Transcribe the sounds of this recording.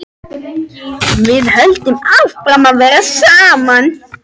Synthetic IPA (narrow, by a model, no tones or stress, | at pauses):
vɪðhœlt̪ɪmavfɾamaðvɛːɾasaːman